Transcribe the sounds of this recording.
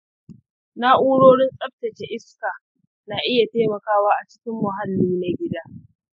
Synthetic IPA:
na˦ʔuː˦ɽoː˦ɽɪ˦nsʼɐ˦b̚tɐ˨t͡ʃe˦ʔɪ˦skaː˨ | na˨ʔɪ˦ja˨teː˦mɐ˨kaː˦waː˦ʔa˨t͡ʃɪ̥˦kʲɪ˦mːʊ˨ɦa˦lːiː˦na˦ɡʲɪ˦daː˦

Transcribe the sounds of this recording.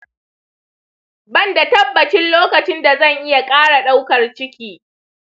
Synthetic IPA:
bɐ˦˨nda˨tɐ˦bːɐ˨t͡ʃɪ˦nloː˦kɐ˨t͡ʃɪ˦nda˨zɐ˦˨ŋʔɪ˦ja˨kʼaː˦ɽa˨ɗa˦wkɐ˨rt͡ʃɪ˦kʲiː˦

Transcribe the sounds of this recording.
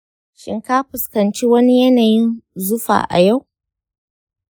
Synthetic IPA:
ʃɪ̰˦ŋka˦ɸʊ˨skɐ˨nt͡ʃiː˦wɐ˦ni˦jɐ˦naː˨jɪ˦nzʊ˦ɸa̰ː˨ʔa̰˨ja˦˨w

